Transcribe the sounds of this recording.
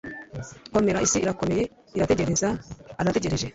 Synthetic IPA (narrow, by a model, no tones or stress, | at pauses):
kɔɾmɛɾaɪsiʔːɾakːɔmɛje | ɪɾat̪ɛd͡ʒɛɾɪnsaːɾat̪ɛd͡ʒɛɾɛʃɛ